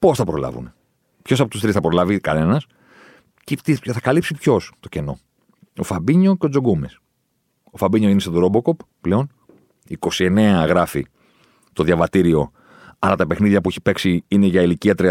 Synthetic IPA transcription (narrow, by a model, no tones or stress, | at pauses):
po̞sθɐpɾo̞lɐ̰vṵne | pço̞sɐpot̪ust̪ɾisθɐpɾo̞lɐvikɐne̞nɐs | cit̪ieθɐkɐlipsipço̞st̪o̞ce̞no̞̰ | ofɐbiɲo̞ceo̞d͡zo̞ɡumes | ofɐbiɲoinesed̪uɾo̞bo̞ko̞p | pleo̞n | iko̞sie̞ne̞ɐɣɾɐfḭ | t̪o̞ðʝɐvɐt̪iɾio̞ | ɐlɐt̪ɐpe̞xniðʝɐpueçi̥pe̞ksiine̞ʝɐiliciɐt̪ɾi